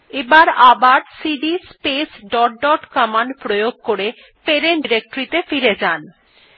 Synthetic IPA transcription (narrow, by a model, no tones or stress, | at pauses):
ebaɾabaɾsiɖispesɖɔʈ̚ɖɔʈkamanpɾojoɡ̚koɾe | peɾenɖiɾek̚ʈoɾit̪efiɾed͡ʑan